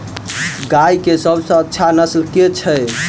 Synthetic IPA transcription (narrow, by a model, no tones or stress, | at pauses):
ɡajkesəbʱsə̃ətːʃʰanəslket͡ʃʰə